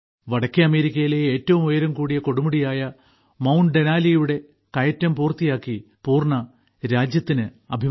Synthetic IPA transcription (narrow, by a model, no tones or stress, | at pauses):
ʋɐɽɐkʲːeɐme̞ːɾikʲːɐjileeːtːɐʋumojɐɾumkuːɽijɐko̞ɽumuɽijaːjɐ | mɐwnɖenaːlijuɽe̞ | kɐjɐtːɐmpuːrt̪ːijaːkːi | puːrɳɐ | ɾaːd͡ʑjɐt̪ːinɨ | ɐbʱi